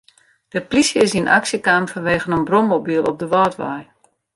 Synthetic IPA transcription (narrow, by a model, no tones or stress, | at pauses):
d̥əplisjəsinʔa̰ksjəkaːmfɔnʋeːɣənənbromobilˠɔ̰p̚dəʋɔːtʋa̰j